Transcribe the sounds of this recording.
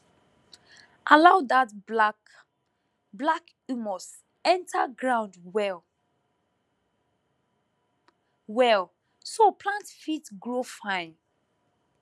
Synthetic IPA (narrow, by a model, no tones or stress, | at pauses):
ʔalaʊdat | blak | umɔs | ɛ̃ntʰaɡɹãʊ̃ndwɛl | wɛl | sopʰlãntfitɡɹofãɪ̃n